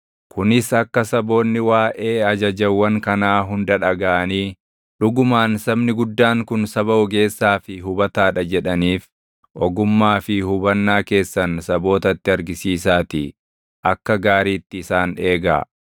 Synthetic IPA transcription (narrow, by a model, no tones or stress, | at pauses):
kʊnɪsɐkːɐsɐbo̞ːnːɪwaːʔe̞ːɐd͡ʒɐd͡ʒɐwːɐŋkɐnaːɦʊnd̪ɐᶑɐɡɐʔɐniː | ᶑʊɡʊmaːnsɐbnɪɡʊd̪ːaːŋkʊnsɐbɐɔɡe̞ːsːaːfɪɦʊbɐt̪aːᶑɐd͡ʒɛᶑɐniːf | ʔɔɡʊmːaːfɪhʊbɐnːaːke̞ːsːɐnsɐbo̞ːt̪ɐt̪ːɪɐɾɡɪsiːsaːt̪ɪ | ʔɐkːɐɡaːɾiːt̪ːɪːsaːne̞ːɡa̰ː